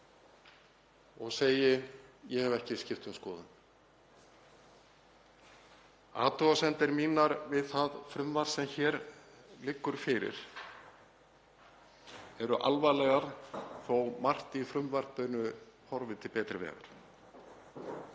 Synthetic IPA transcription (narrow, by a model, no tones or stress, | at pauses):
ɔɣseːjɪjɛhɛvɛhcɪscɪft̪ʏmskɔːðʏn | a̰ːt̪ɔasɛnt̪ɪɾmiːnaɾvɪðθaðfɾʏmvaɾ̥sɛmçɛːɾlɪkːʏɾ̥fɪɾɪ̰ɾ̥ | ɛɾʏʔa̰lvalɛɣaɾ̥θowmar̥t̪ifɾʏmvaɾ̥t̪œnʏhɔɾvɪt̪ʰɪlpɛːt̪ɾɪvɛ̰ːɣa̰ɾ̥